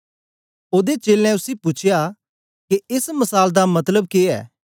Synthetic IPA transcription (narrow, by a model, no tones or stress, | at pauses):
oːd̪et͡ʃeːlɛ̃ʊsipʊt͡ʃʰɪja | keɪsmɐsaːld̪amɐt̪ləb̚keːɛ̰ː